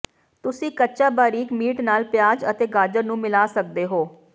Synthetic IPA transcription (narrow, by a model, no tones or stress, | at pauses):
t̪ʊsĩːkətːʃaːbaːɾiːkmiːʈnaːlpɪjaːd͡ʒət̪eːɡaːd͡ʒəɾnũːmɪlaːsək̚d̪eːɦoː